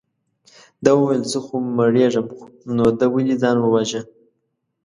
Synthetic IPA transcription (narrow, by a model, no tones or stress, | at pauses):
d̪ɑwuwajlzəxuməɽeʐəmnod̪awəlid͡zɑnwəwaʒa